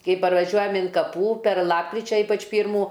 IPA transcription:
ˈkɐɪ pɐrʋɐˈʒʲuɔjɛm ɪn kɐˈpuː pʲɛr ˈlˠɑːpkrʲɪt͡ʃʲɛ ˈiːpɐt͡ʃ ˈpʲiːrmuː

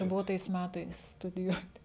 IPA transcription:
ˈbʊʋoː tɐɪs ˈmʲætɐɪs stʊdʲɪˈjuɔtʲɪ

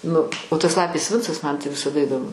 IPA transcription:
ˈnʊ nʊ oː tɐs ˈlˠɑːpʲeːs ˈʋʲɪnt͡sɐs mɐn tɐɪ ʋʲɪsɐˈdɐ ɪdoːˈmʊ

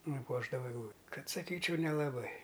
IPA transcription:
nʊˈpuɔʒdɐʋɐ ɛɡˈlˠuː ˈkɐt sɐˈkʲiːt͡ʃʲɛʊ nʲɛlˠɐˈbɐɪ

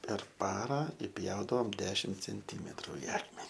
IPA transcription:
pʲɛr ˈpɑːrɐ ɪˈpʲjɛʊdɐʋoːm ˈdʲæːʃʲɪm t͡sʲɛnʲˈtʲiːmʲɛtrʊ ɪ ˈɑːkmʲɛnʲɪ

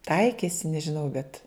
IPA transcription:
ˈtɐɪkʲeːsʲɪ nʲɛʒʲɪˈnɐʊ bʲɛt

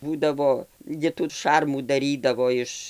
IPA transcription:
ˈbuːdɐʋoː ˈɡʲɪ tuː ˈʃɐrmuː dɐˈrʲiːdɐʋoː ˈɪʃ

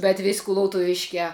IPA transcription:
bʲɛt ʋʲɪsʲ kʊlˠɐʊtʊˈʋʲɪʃʲkʲæː

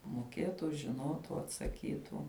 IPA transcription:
moːˈkʲeːtʊ ʒʲɪˈnoːtʊ ɐtsɐˈkʲiːtʊ

